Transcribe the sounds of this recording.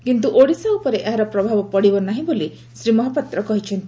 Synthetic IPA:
kint̪uʔoɽisaupɔɾeʔeɦaɾɔpɾɔbʱabɔpɔɽibɔnaɦĩboli | sɾimɔɦapɔt̪ɾɔkɔɦit͡ʃʰɔnt̪i

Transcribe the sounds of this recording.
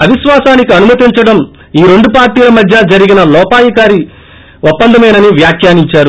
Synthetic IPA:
ɐʋiʃʋaːsaːnikiɐnumɐt̪iɲt͡ʃɐɽɐm | iːɾe̞ɳɖupaːɾʈiːlɐmɐd̪ʱjɐd͡ʒɐɾiɡinɐlɔːpaːjɐkaːɾi | opːɐnd̪ʱɐmɐjnɐniʋjaːkʰjaːniɲt͡ʃaːɾu

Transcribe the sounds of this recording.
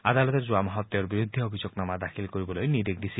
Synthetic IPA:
ad̪alɔt̪eɾzuamɔɦɔt̪ːeoɾbiɾud̪ʱːeobʱid͡ʑoknamad̪akʰilkoɾibɔlojnid̪ekd̪isʰi

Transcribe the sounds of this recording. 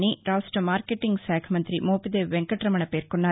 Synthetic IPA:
niɾaːsʈɾɐmaːɾkeʈːiŋɡsaːkʰɐmɐnt̪ɾimoːpid̪eːʋeŋkɐʈɾɐmɐɳɐpe̞ːɾkoɳːaː

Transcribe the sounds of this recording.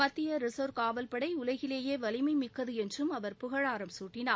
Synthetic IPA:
pɐt̪ːɪjɐɾɪsoːɾkaːʋɐlpɐɽɐɪʊlɐɣɪleːjeːʋɐlɪmɐɪmɪkːɐðɯɛndrɯmɐʋɐɾpʊɣɐɻaːɾɐmsuːʈːɪnaː

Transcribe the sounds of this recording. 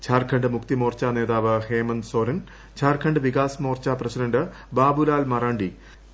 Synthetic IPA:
t͡ɕʰaːrkʰɐɳɖɨmukt̪imoːrt͡ɕaːne̞ːðaːʋɨheːmɐnso̞ːɾɐn | t͡ɕʰaːrkʰɐɳɖɨʋikaːsmo̞ːrt͡ɕaːprɐsidɐɳɖɨ | baːbulaːlmɐraːɳɖi

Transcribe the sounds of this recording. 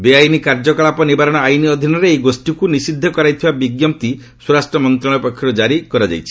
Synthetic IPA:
beajnikaɾd͡ʒɔkɔɭapɔnibaɾɔɽ̃ɔajniɔd̪ʱinɔɾeeɡosʈikunisid̪ʱːɔkɔɾajt̪ʰibabiɡjɔmpt̪i | suɾasʈɾɔmɔnt̪ɾaɭ̃ɔpɔkʰjɔɾud͡ʒaɾikɔɾɔd͡ʒa̰jt͡ʃʰi̥

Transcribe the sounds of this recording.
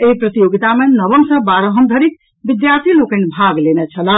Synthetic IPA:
eɦpɾət̪ijoɡit̪amenəbəmsə̃baɾəɦəmd̪ʱəɾik̚ | bid̪jaɾt̪ʰilokənbʱaɡlenɛt͡ʃʰələ

